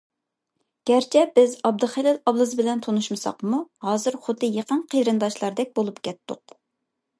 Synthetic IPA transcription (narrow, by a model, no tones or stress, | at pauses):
ɡ̥ʲɛɾt͡ʃʰɛbɪzɑb̚d̪ɨχelɪlɑblˠɨzbɪlɛnt̪ʰonuʃmɨsɑ̰qmuhɑːzɨɾχʊd̪ːɨjeqənqʰejɾɨnd̪ɑʃlˠɑɾd̪ɛk̚ʲbolˠupkʲɛt̪ːʊ̰q